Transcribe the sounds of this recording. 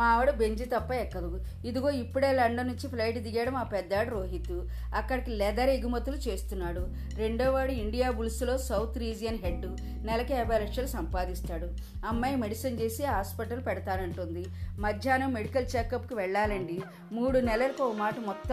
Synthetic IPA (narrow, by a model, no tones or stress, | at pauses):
aːʋɐɽubeɲd͡ʒit̪ɐpːɐɛkːɐd̪u | id̪uɡo̞ːipːuɽe̞ːlɐɳɖɐnuɲt͡ʃipʰlɐjʈd̪iɡaːɽɐmaːpɛd̪ːaːɽɐɾoːɦit̪ːu | ɐkːɐɽikilɛd̪ɐɾeɡumɐt̪ːulut͡ʃe̞ːst̪unːaːɽu | ɾe̞ɳɖoːʋaːɽuiɳɖijaːbulsulo̞ːsɐwt̪ʰɾiːd͡ʒijɐnɦeɖːu | nɛlɐkɛːbʱɐjlɐkʂɐlusɐmpaːd̪ist̪aːɽu | ɐmːaːjmeɽisɐnt͡ʃeːsiɦaːspɐʈɐlupɛɽɐt̪aːnɐɳʈund̪i | mɐd̪ʱjaːnɐmmːeɽikɐlt͡ʃeːkɐpkuʋɛɭːaːlɐɳɖi | muːɽunɛlɐlɐkɔmaːʈɐmɔt̪ːɐ